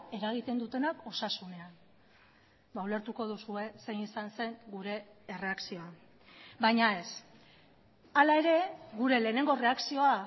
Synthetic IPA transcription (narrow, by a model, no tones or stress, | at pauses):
e̞ɾaɣ̞it̪e̞nd̪ut̪e̞nako̞sasune̞an | baule̞ɾt̪uko̞ðusue̞se̞jnisanse̞ŋɡuɾe̞ːre̞aksio̞a | bajɲae̞s | alae̞ɾe̞ɣuɾe̞le̞ːne̞ŋɡo̞re̞aksio̞a